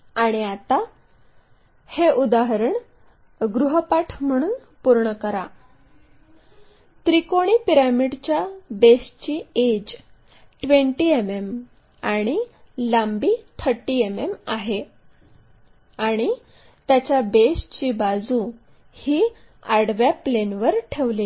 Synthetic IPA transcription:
aɽ̃iat̪a | heʔud̪aɦɾəɳ | ɡɾuɦəpaʈʰm̤əɽ̃uːn | puɾɳəkəɾa | t̪ɾikoɽ̃iːpiɾamiɽt͡ɕjabest͡ɕied͡ʑ | ʈʋeɳʈiemem | aɽ̃i | lambiːt̪ʰəɾʈːiememaɦe | aɽ̃i | t̪jat͡ɕjabest͡ɕiːbad͡zu | hiː | aɽʋjaplenʋəɾʈʰeʋliː

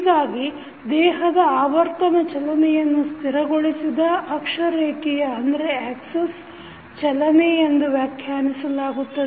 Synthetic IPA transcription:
ɡaːɡi | d̪ɛːɦɐd̪ɐaːʋɐɾk̪ɐnɐt͡ʃɐlɐnɛjɐnːust̪ʰiɾɐɡoɭisid̪ɐʔɐkʂɐɾeːkɛjɐɐnd̪ɐɾeaːkses | t͡ʃɐlɐnɛend̪uʋjaːkʰjaːnisɐlaːɡut̪ːɐde

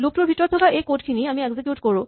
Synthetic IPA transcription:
lup̚tuɹbʱitɔɹɔtʰɔkaʔejkotkʰiniamiɛɡzekjutkoɹũ

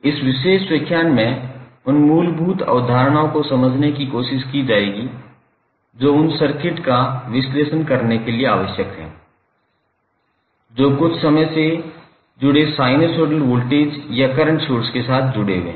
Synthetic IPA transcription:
ɪsʋɪʃeːʃswəkʰːjaːnmẽ | ʊnmuːlbʱuːt̪ɔ̰ːd̪ʱaːɾɽ̃aõkosɐməd͡ʒʱnekikoːʃɪʃkid͡ʒaːeːɡi | d͡ʒoːʊnsɐɾkɪʈkaʋɪsleːʃənkɐɾnekeliea̰ːʋəʃjəkɦɛ̰̃ː | d͡ʒoːkʊt͡ʃʰsɐməjse | d͡ʒʊɽesaːɪnesoːʈəlʋoːlʈeːd͡ʒjakɐɾəɳʈʃoːɾskesaːt̪̚ʰd͡ʒʊɽḛɡḛ̃ː

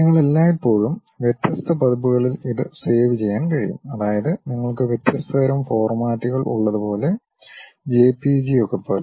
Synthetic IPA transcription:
ɐŋːɐɭelːaːipːo̞ːɻum | ʋjet̪ːjɐst̪ɐpɐðɐpːuɣɐɭiliðɨse̞ːʋit͡ɕe̞jːaːnkɐɻḭjṵmɐðaːjɐðɨniŋːɐɭkɨʋjet̪ːjɐst̪ɐɐɾɐmfo̞ːrmaːʈːiɣɐɭʔṵɭːɐðupo̞ːle̞ | d͡ʑe̞ːpːid͡ʑiokːɐpːoːl

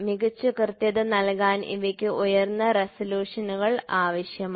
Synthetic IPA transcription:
miɣɐt͡ɕːɨkrt̪jɐðɨnɐlkaːnʔḭʋɐkʲːɨʔujɐrnːɐresɐljuːʂɐnuɣɐɭaːʋɐɕjɐm

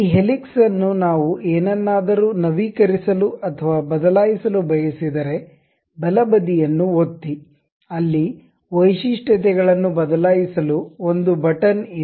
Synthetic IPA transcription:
iːɦeliksɐnːunaːʋuʔeːnɐnːaːd̪ɐɾuːnɐʋiːkɐɾisɐluʔɐt̪ʰɐʋaːbɐd̪ɐlaːjisɐlubɐjɐsid̪ɐɾe̞ | bɐlɐbɐd̪ijɐnːuot̪ːi | ɐlːi | ʋɐjʃiʂʈɐt̪̬ɛɡɐɭɐnːubɐd̪ɐlaːjisɐluo̞nd̪ubɐʈɐni

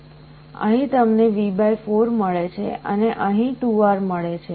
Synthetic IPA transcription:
ə̰ɦĩt̪əmneʋibajfoɾməɭet͡ʃʰeəneʔəɦĩʈuʋaɾməɭet͡ʃʰe

